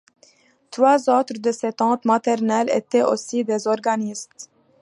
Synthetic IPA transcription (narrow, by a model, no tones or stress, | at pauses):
t̪ɾwaːzot̪ɾd̪əset̪ɑ̃ːt̪mat̪ɛɾnɛlɛ̰t̪ɛʔo̰sid̪ezɔɾɡanist̪